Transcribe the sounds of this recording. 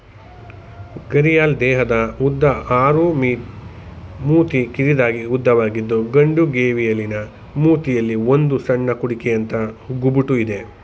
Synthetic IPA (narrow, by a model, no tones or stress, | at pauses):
ɡɐɾijaːld̪ɛːɦɐd̪ɐud̪ːɐʔaːɾumi | muːt̪ikiɾid̪aːɡiud̪ʱːɐʋaːɡid̪ːuɡɐɳɖuɡeːʋijɐlːinɐ | muːt̪ijɐlːiond̪usɐɳːɐkuɽikɛjɐnt̪ɐɡubuʈuid̪e̞